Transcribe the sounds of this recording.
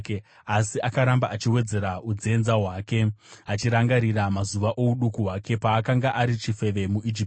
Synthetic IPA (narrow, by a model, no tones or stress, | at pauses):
k | asiakaɾambaʔat͡ʃiwe̞d͡ze̞ɾaud͡ze̞nzaɦwaːke̞at͡ʃiɾaŋɡaɾiramazuʋaʔo̞uɗukuɦwake̞paːkaŋɡaʔaɾit͡ʃife̞ʋe̞muʔid͡ʒip